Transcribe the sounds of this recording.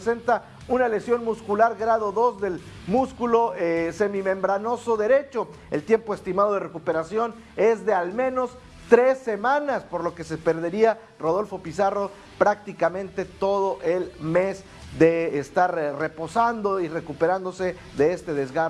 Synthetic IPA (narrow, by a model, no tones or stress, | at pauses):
se̞nt̪a | unalesjo̞nmuskulaɾɣɾaðo̞ðo̞zðe̞lmuskulo̞se̞mimẽ̞mbɾanosoðe̞ɾe̞t͡ʃo̞ | elt̪je̞mpo̞est̪imaðo̞ðerekupe̞ɾasjo̞n | e̞zðe̞almẽ̞no̞s | t̪ɾe̞sːemãnaspo̞ɾlo̞ke̞se̞pe̞ɾðe̞ɾia | ro̞ð̞o̞lfo̞pisaro̞ | pɾak̚t̪ikamẽ̞nt̪e̞t̪o̞ð̞o̞ʔe̞lme̞z | d̪e̞ːst̪aɾre̞po̞sand̪o̞ire̞kupeɾand̪o̞se | ðe̞est̪e̞ðezɣa